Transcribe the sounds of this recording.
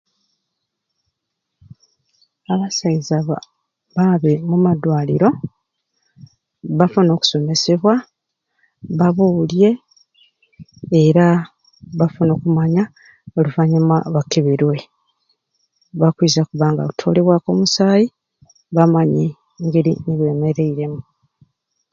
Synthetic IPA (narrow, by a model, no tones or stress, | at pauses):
aβasaizaβa̰ | βaβemumad̪waːlḭɾo̞ | βafuno̞ːku̥so̞me̞se̞βwa | βaβulje̞ | ɾa | βafuno̞ːkumaɲa | oluvaɲamaβakeβiɾwe̞ | βakwizakuβaːŋɡa̰kutʰo̞le̞βwako̞̰musaːji | βamaɲe | ŋɡeɾḭniβje̞ːme̞ɾe̞iɾe̞mu